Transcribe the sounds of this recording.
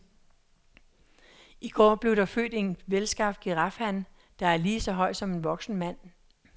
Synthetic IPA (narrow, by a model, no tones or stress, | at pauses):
iɡ̥ɒ̰ːb̥le̝ʊɾ̥ɑ̈fø̰ːd̥e̝nʋelsɡ̥ɑ̈fɡ̥iʁɑfhæn | d̥ɑ̈æɐliːsɒ̽ɦɒ̽ɪ̰d̥sɒ̽me̝nʋɒ̽ɡ̥sn̩mæn̰